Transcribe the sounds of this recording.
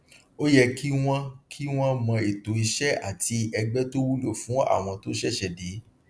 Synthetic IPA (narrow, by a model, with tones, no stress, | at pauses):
o˦jɛ˦kʰi˦w̃ɔ̃˧kʰi˦w̃ɔ̃˦mɔ̃˧e˨to˨i˧ʃɛ˦a̰˦˨ti˧ɛ˧ɡ͡bɛ˦to˦wu˦lo˦˨fũ˨˦a̰˦˨w̃ɔ̃˧to˦ʃɛ˦ʃɛ˨de˨˦